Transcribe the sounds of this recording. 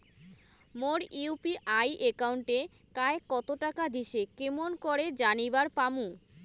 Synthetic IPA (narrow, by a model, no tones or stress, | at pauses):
moɾiupiʔajʔekawuɳʈe | kaekːɔt̪oʈakad̪iʃekemonkoɾed͡ʑanibaɾpamu